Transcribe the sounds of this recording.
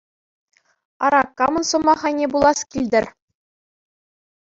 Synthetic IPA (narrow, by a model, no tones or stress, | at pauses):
ɑ̰ɾɑkːɑmɤ̆nsɤ̆mɑχɑjnʲebulˠɑskʲilʲd̪ʲɘ̆rʲ